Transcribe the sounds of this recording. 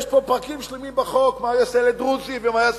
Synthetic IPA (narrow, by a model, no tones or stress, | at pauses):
ʃpopaʁkimʃlemimbaχokmajaseled̪ʁut͡sivmaja